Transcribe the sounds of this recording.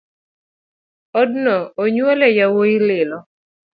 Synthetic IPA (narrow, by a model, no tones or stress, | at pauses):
ɔdnɔoɲwɔlɛjawoilɪlɔ